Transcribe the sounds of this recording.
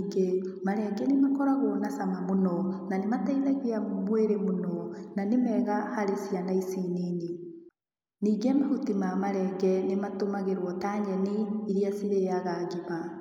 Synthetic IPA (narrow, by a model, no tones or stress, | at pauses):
ɡemaɾɛɡɛnemakɔɾaɣonasamamonɔnanemataiðaɣeammweɾemonɔnanemɛːɣahaɾesijanaisenene | niːɡemahutimamaɾɛɡɛnematomaɣeɾwɔtaːɲɛniiɾiasiɾejaɣaːɣima